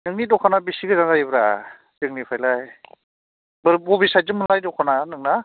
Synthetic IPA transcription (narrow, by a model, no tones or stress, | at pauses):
nɯŋnidɔkʰanabisiɡɯzaŋzaibɾa | d͡ʒɯŋnipʰajlaj | bɯɾbɔbisajzɯmɯnlajdɔkʰananɯŋna